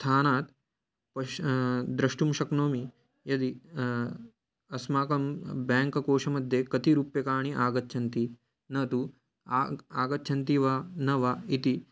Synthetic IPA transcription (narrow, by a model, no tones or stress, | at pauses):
t̪ʰaːnaːt̪ | pɐd̪ɾɐʂʈumʃɐknoːmi | jɐd̪i | ɐsmaːkɐmbɛːŋkɐkoːʃɐmɐd̪ʱːjekɐt̪iɾuːpjɐkaːɳ̃iʔaːɡɐt̪ːt͡ʃʰɐnt̪i | nɐt̪u | aːɡɐt̪ːt͡ʃʰɐnt̪iʋanɐʋait̪i